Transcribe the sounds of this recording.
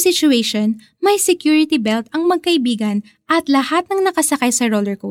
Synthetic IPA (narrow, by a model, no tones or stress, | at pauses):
sɪt͡ʃʊɛjʃon | mɐjsɛkjuɹɪt̪ibɛlt̪ɐŋmɐɡ̚kɐʔɪbiːɡɐn | ʔɐt̪lɐhat̪̚nɐŋnɐkɐsɐkajsɐɹolɛɹko